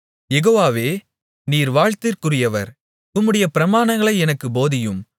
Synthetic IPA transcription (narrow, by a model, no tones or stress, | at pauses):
jɛɣoːʋaːʋeː | niːɾʋaːɻt̪ɪɾkɯrɪjɐʋɐ̰ɾ | ʊmːɯɽɐjɐpɪɾɐmaːnɐŋɡɐɭɐɪɛnɐkːɯboːðɪjɯm